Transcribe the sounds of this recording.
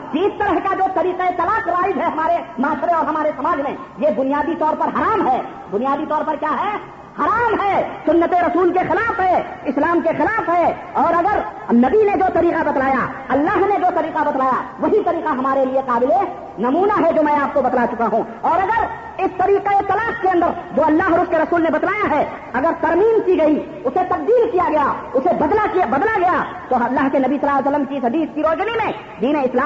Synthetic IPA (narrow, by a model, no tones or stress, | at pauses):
d͡ʒiːst̪ɐɾəɦkad͡ʒoːt̪ɐɾiːqeet̪ɐlaːqɾaːɪd͡ʒɦɛɦɐmaːɾemaːʃɾeɔːɾɦɐmaːɾesɐmaːd͡ʒmẽ | jebʊnijaːd̪it̪ɔːɾpɐɾɦɐɾaːmɦɛː | bʊnijaːd̪it̪ɔːɾpɐɾkjaːɦɛ | hɐɾaːmɦɛːsʊnːət̪eɾɐsuːlkexɪlaːfɦɛɪslaːmkexɪlaːfɦɛɔːɾɐɡəɾnɐbined͡ʒoːt̪ɐɾiːqabɐt̪laːjaɐlːaːɦned͡ʒoːt̪ɐɾiːqabɐt̪laːjaʋɐɦit̪ɐɾiːqaɦɐmaːɾelieqaːbɪle | nɐmuːnaɦɛd͡ʒoːmɛ̃ːaːp̚kobɐt̪lat͡ʃʊkaɦũ | ɔːɾɐɡəɾ | ɪst̪ɐɾiːqeet̪ɐlaːpkeɐ̃nd̪əɾd͡ʒoːɐlːaːɦɔːɾʊskeɾɐsuːlnebɐt̪laːjaɦɛ | ɐɡəɾt̪ɐɾmiːnkiɡɐi | ʊset̪ɐq̚d̪iːlkijaɡɐjaʊsebɐd̪lakibɐd̪laɡɐja | t̪oɦɐlːaːɦkenɐbisɐlaːsəlːəmkisɦɐd̪iːskiɾoːd͡ʒnimẽ | d̪iːneɪslaː